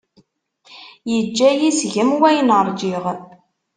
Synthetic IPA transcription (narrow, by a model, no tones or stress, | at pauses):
jəd͡ʒːæjisʝəmwæjənəɾˤd͡ʒiʁ